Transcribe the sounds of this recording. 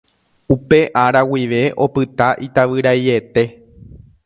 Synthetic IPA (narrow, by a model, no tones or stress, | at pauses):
upe̞ʔaɾawiʋe̞ʔo̞pɨt̪aʔit̪aʋɨɾaje̞t̪e̞